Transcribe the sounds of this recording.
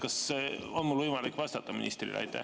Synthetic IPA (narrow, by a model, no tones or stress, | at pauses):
kɑseonmulvɤjmɑlikːʋvɑst̪ɑt̪ːɑmḭnḭst̪rḭlʔɑ̰jt̪ːˑæ̰